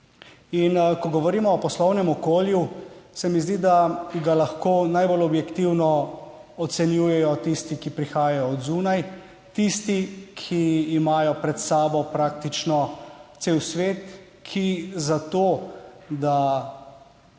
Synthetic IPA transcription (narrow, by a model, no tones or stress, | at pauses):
inkɔɡɔʋɔɾiːmɔːpɔslɔwnɛmɔkoːljusɛmizd̪id̪aɡalaxkoːnajbolɔbjɛkt̪iwnɔɔt̪sɛnjuːjɛjɔt̪ist̪ikipɾixaːjajɔːd̪zuːnaj | t̪ist̪ikʰiːmaːjɔpɾɛt̪saːbɔpɾaːk̚t̪it͡ʃnɔt̪seːwsʋeːt̪ | kʰizat̪oːd̪a